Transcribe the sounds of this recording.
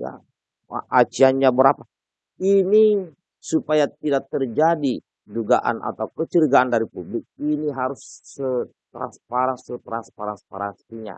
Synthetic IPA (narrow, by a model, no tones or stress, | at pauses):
ja̰ | ʔat͡ʃianɲabəɾapa | ini | supajat̪̚idak̚t̪ərd͡ʒadi | duɡa̰ʔa̰nʔa̰t̪aukət͡ʃərɡaandaɾipublɪk̚iniɦaɾʊsːət̪ɾa̰nspaɾansət̪ɾanspaɾanspa̰ɾansiɲa̰